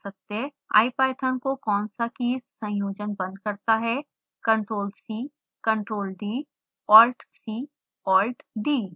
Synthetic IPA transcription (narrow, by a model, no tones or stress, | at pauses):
sɐk̚t̪eɦɛ̃ | a̰ːipaːɪʈʰənkokɔːnsakiːssɐ̃joːd͡ʒənbɐ̃nd̪̚kɐɾt̪aɦɛ | kɐ̃ɳʈɾoːlsiː | kɐ̃ɳʈɾoːlɖiː | ɔːlʈsiː | ɔːlʈɖiː